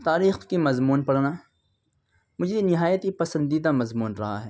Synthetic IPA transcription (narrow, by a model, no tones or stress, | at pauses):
t̪aːɾiːxkimɐzmuːnpɐɽnaː | mʊd͡ʒʱenɪɦaːjət̪ipɐsə̃nd̪id̪amɐzmuːnɾɐɦa̰ɦɛː